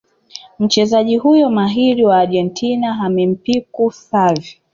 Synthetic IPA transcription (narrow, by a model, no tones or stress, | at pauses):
m̩t͡ʃɛzaʄihujɔmaɦiɾiwaːɾʄɛntʰinaɦamɛm̩pikusavi